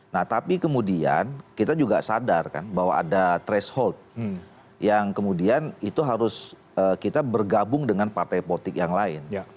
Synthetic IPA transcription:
naht̪apikəmudia̰nkit̪ad͡ʒuɡa̰sadarka̰nbawa̰ːdat̪ɾɛshɔlt̪̚ | jaŋkəmudianit̪uɦaɾʊs | əkit̪abərɡabʊŋdəŋanpart̪ajpot̪ɪkjaŋlaɪnj

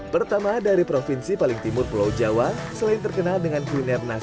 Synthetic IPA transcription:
pərt̪amadaɾipɾofinsipalɪŋt̪imʊrpulawd͡ʒawasəlaɪnt̪ərkənaldəŋanklinɛrna

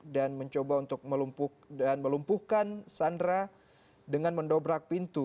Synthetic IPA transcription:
danməɲt͡ʃobaunt̪ʊk̚məlumpu | danməlumpuhkansandɾa | dəŋanməndobɾak̚pint̪u

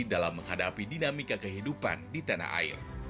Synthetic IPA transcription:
dalamːəŋɦadapidinamikakəɦidupa̰ndit̪ana̰a̰ɪ̰r

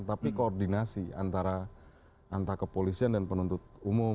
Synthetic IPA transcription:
nt̪apikoɔrdinasia̰nt̪aɾa | ʔant̪aɾakəpolisiandanpənunt̪ʊt̪̚umʊ

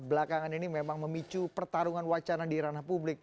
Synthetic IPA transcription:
bəlakaŋaninimemaŋməmit͡ʃupərt̪aɾuŋanwat͡ʃaɾandiɾanapublɪk̚

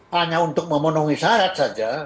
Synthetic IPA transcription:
aɲaunt̪ʊk̚mamonoŋisaɾat̪sad͡ʒa

